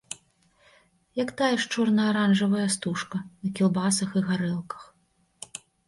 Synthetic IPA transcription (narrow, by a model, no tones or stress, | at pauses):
jakt̪ajɛʂt͡ʂɔrnɐːɾanʐɐvɐjɐst̪uʂkɐnɐkʲilˠbasɐxiɣaɾɛlˠkɐ̥x